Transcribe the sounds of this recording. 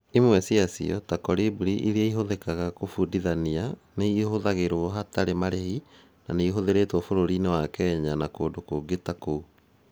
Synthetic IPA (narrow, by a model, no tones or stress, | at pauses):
imwɛsiasḭɔtakɔɾibuɾiʔiɾiaiɦoðɛkaɣakofudiðanianeihoðaɣeɾwɔɦataɾemaɾehi | naneiɦoðeɾeːtwɔfoɾoɾinewakɛːɲanakoːdokoɡetakou